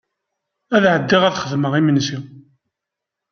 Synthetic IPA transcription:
æðʕəd̪ːiʁæθχəðməʁimənsi

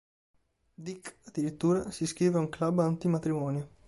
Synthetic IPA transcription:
d̪ikːad̪ːiɾit̪ːuːɾasiskɾiːveuŋklabːant̪imat̪ɾimɔːnjo

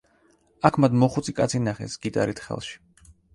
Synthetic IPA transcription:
akʰmad̪mɔχut̪sʼikʼat̪sʰinaχɛ̰sɡ̥it̪ʼa̰ɾit̪ʰχɛ̰lˠʃi̥

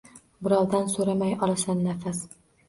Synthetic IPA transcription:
bɪɾɒwd̪ansoɾamajɒlˠasanːafas

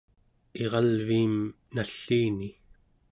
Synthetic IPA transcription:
e̞ʁɑlviːm | naɬːiːni

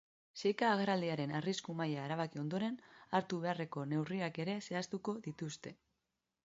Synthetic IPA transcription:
sejkaːɣaɾald̪iaɾe̞nariskumajaeɾaβ̞akio̞nd̪o̞ɾe̞naɾt̪uβe̞are̞ko̞ne̞wriake̞ɾe̞se̞ast̪uko̞ðit̪ust̪e̞

